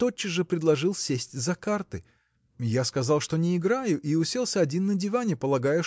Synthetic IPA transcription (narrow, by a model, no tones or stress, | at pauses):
t̪ot͡ɕːɪʐɨpɾʲɪd̪lˠɐʐɨlˠsʲesʲtʲzɐkart̪ɨ | jaskɐzɑlˠʂt̪o̞nʲɪɪɡɾajʊʔiʊsʲe̞lˠsʲəɐdʲinːədʲɪvanʲɪpəlˠɐɡajə